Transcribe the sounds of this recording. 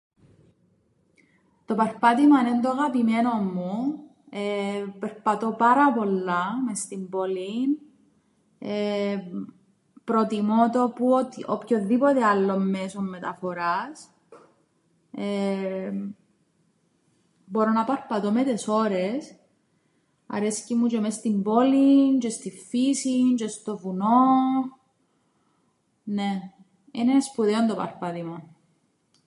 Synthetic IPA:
t̪o̞pɐɾpɐt̪imɐnend̪oaɣɐpimeno̞mːu | epeɾpɐt̪o̞pɐɾɐpo̞lːɐmest̪imbo̞lin | e | pɾo̞t̪imot̪oput̪opçoðːipot̪ealːo̞mːesomːe̞t̪ɐfo̞ɾɐs | e | bo̞ɾonɐpɐɾpɐt̪omet̪eso̞ɾes | ɐ̰ɾe̞scimut͡ʃemest̪imbo̞lint͡ʃest̪iffisint͡ʃest̪o̞vuno | ne | inespuðeond̪opɐ̰ɾpɐðimo

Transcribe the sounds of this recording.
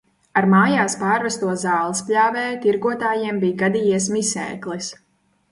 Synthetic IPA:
aɾmaːjaːspaːɾvɛst̪uɔzaːlˠispʲlʲaːvɛːt̪iɾɡuɔt̪aːjiɛmbiːjɡad̪ijiɛsmisɛ̰ːklˠis

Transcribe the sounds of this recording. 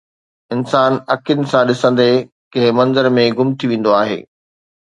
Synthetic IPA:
ɪnsaːnɐkʰjʊnɪ̆sãɗɪsə̃nd̪e | kɐ̃ɦɪ̃mɐ̃nzəɾmẽɡʊmt̪ʰiʋẽːn̆d̪oaːɦḛː

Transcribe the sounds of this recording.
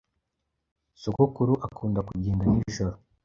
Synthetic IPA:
sukukuɾuʔakuːndakuɟeːndaniʒoɾo

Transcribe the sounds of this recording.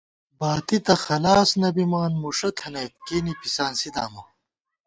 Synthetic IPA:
baːt̪it̪ɐxɐlaːsnɐbimaːnmuʂɐt̪ʰɐnɐkeːnipisaːnsid̪a̰ːmɐ

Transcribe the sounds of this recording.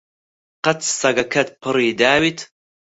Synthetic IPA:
qɐt̪sɐɡɐkʰɐt̪̚pʰɨɾiːd̪aːwit̪ʰ

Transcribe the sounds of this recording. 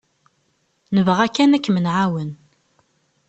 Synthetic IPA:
nəvəʁækːænækːmənʕawən

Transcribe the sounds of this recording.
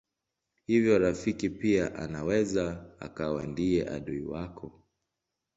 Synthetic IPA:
hivjɔɾafikipiaʔa̰nawɛzaa̰kawa̰ndiɛʔa̰ɗuḭwakʰɔ

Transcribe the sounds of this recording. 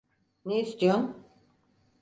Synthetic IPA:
neist̪ʰijom

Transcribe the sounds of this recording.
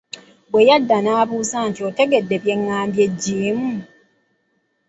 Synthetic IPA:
bwe̞jadːanaːβuːzaːntio̞te̞ɡe̞dːe̞βje̞ŋːaːmbje̞ɟːiːmu

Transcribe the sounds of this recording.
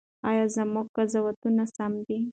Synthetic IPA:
ɑjɑzamuɡ̚kazawat̪unasamd̪i

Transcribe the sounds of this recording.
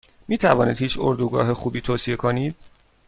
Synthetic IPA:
miːt̪ʰævɒːniːd̪hiːt͡ʃʰo̰ɾd̪uːɡɒ̰ːɦexuːbiːt̪ʰoːsijekʰoniːd̪̥̚

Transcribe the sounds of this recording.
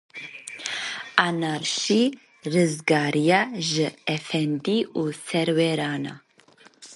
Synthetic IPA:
anaɾʃi | rɨzɡaːɾijaʒɨɛfɛnd̪iuːsɛɾwɛɾaːna̰

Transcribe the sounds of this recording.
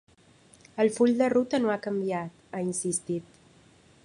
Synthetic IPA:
əlˠfuʎd̪ərut̪ənoakəmbiat̪ainsist̪it̪

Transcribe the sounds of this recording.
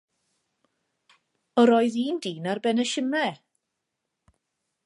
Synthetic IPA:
ɔɾɔːɨðiːndiːnarbɛnɛʃɪmɛ

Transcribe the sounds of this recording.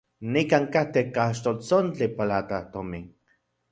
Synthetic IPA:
nikaŋkaht̪ekaʃt̪olt͡sont͡ɬipalat̪at̪omiŋ

